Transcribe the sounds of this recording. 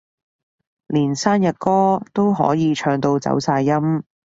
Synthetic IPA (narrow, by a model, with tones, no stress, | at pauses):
liː˨˩nsaː˥njɐ˨t̚kɔː˥t̪o˥wɦɔ̰ː˨˥jiː˨˧t͡ʃʰœː˧ŋt̪o˧wt͡sɐ̰˨˥wsaː˧jːɐ˥m